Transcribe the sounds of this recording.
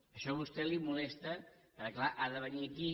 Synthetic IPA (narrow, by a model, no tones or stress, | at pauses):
əʃɔβust̪ɛlimulɛst̪əpəɾklaʔaðəβəniəki